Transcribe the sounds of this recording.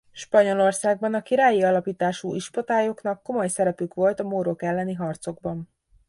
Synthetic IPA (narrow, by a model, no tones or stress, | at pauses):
ʃpɒɲo̞lo̞rsaːɡ̚bɒnɒkiɾaːjiɒlɒpiːt̪aːʃuʔiʃpot̪aːjo̞kn̪ɒkːo̞mo̞jsɛɾɛpykʋo̞lt̪ɒmoɾokɛlːɛniɦɒrt̪so̞ɡ̚bɒn